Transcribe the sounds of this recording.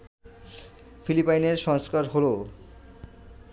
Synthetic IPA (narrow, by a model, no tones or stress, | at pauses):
filipajneɾʃɔŋskaɾɦolo